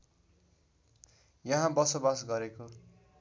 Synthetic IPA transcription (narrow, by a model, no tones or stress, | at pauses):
jʌɦãbʌsobasɡʌɾeko